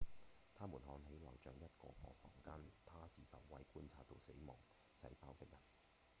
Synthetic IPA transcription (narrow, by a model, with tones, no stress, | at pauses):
t̪ʰaː˥muː˨˩nɦɔː˨˧˥nɦe˨˥jlɐ˨˩wt͡ʃœː˨ŋjɐ˥t̚kɔ̰ː˧kɔː˧fɔː˨˩ŋkaː˥nt̪ʰaː˥siː˨sɐ̰˨˩wːɐ˨˥jkuː˥nt͡sʰaː˧t̚t̪o˨˧wse˨˥jmɔː˨˩ŋ | sɐ̰˨˥jpaː˥wt̪ɪ˥k̚jɐ˨˩n